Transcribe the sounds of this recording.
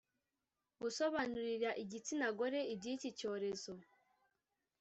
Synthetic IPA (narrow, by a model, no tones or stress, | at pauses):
ɡuso̞βanuɾiɾaʔiɟit͡sinaɡo̞ɾe̞ibɟicico̞ːɾe̞zo̞